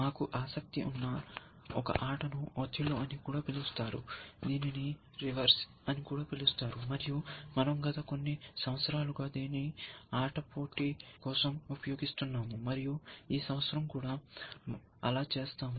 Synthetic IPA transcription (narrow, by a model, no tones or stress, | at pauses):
naːkuʔaːsɐk̚t̪iʔunːɐ | ɔkɐ̰ʔaːʈʰɐnuot̪ʰːiloːɐnikuːɽaːpilust̪aːɾṵd̪iːnini | ɾiʋɐɾs | ɐnikuːɽaːpilust̪aːɾumɐɾijumɐnɐmɡɐt̪ɐko̞nːisɐmɐt̪sɐɾaːluɡaːd̪eːniaːʈɐpo̞ːʈikɔːsɐmupɐjoːɡist̪unːaːmumɐɾijuiːsɐmʋɐt̪sɐɾɐmkuːɽaː | ɐlaːt͡ʃe̞ːst̪aːmu